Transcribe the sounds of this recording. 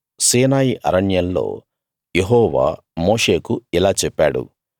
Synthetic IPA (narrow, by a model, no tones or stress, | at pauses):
siːnaːjiʔɐ̰ɾɐɳjɐnlo̞̰ː | jeɦɔːʋa̰ː | mo̞ːʂe̞ːkuilaːt͡ʃɛpːaːɽṵ